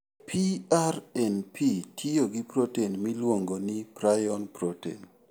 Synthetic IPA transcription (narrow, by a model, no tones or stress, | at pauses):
pʰiarɛnpʰitʰijoɡipɾotenmilwoŋɡonipɾajɔnpɾotḛn